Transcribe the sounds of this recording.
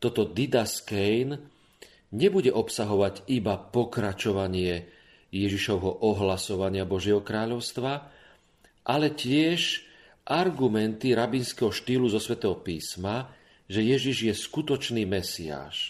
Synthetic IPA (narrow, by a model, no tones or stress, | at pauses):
t̪ɔt̪ɔd̪id̪askɛjn | ɲɛbuɟɛʔɔpsaɦɔʋaɟibapɔkɾat͡ʃɔʋaɲɪɛ | jɛʒiʃɔʊɦɔʔɔɦlasɔʋaɲɪabɔʒɪɛɦɔkɾaːʎɔʊst̪ʋa | ʔalɛcɪɛʃ | ʔaɾɡumɛnt̪iɾabinskɛɦɔʃt̪iːluzɔsʋɛt̪ɛɦɔpiːsma | ʒɛjɛʒiʒjɛskut̪ɔt͡ʃniːmɛsia̰ːʃ